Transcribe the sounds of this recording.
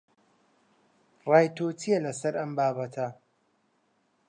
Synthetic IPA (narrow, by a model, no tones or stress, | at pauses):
raːjt̪ʰoːt̪ʰijɛlɐsɐɾɐmbaːbɐt̪ʰɐ